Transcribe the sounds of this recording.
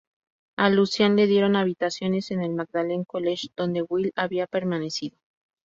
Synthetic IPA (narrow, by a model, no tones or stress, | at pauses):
alusjanle̞ðje̞ɾo̞naβit̪asjo̞ne̞se̞ne̞lmaɡd̪ale̞ŋko̞le̞ʃd̪̥o̞nd̪e̞ɣwilaβiape̞ɾmane̞siðo̞